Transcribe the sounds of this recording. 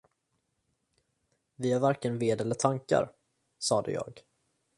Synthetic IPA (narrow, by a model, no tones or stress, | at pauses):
vɪhaɾvaɾkənveːd̪ɛlːəʈʰaŋka̰ɾ | sɑːd̪ə̰jɑ̰ːɡ